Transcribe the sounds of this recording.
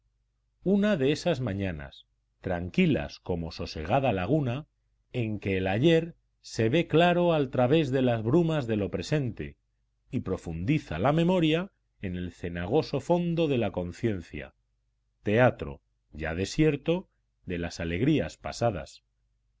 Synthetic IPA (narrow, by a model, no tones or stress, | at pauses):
unaðe̞esazmãɲãna̰s | t̪ɾaŋkila̰sko̞mo̞so̞se̞̰ɣ̞að̞alaɣ̞una | e̞ŋke̞ːlaʎe̞ɾ | se̞βe̞klaɾo̞alt̪ɾaβ̞e̞zðe̞lazβɾumazðe̞lo̞pɾe̞se̞nt̪e̞̰ | ipɾo̞fund̪iθalamẽ̞mo̞ɾja | e̞ne̞lθe̞naɣ̞o̞so̞fo̞nd̪o̞ð̞e̞lako̞n̟θje̞n̟θja̰ | t̪e̞at̪ɾo̰ | ʝað̞e̞sje̞ɾt̪o̞ | ðe̞lasale̞ɣɾiaspa̰sað̞a̰s